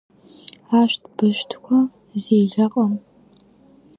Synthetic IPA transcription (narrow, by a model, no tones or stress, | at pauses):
aːʃtʰb̥ɨʃʷtʰkʷʰɔ | zeːɮɐqʼɐm